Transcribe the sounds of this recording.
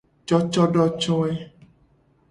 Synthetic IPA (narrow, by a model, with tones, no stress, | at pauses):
t͡ʃɔ˦t͡ʃɔ˦ɖɔ˦t͡ʃɔ˦ɛ˦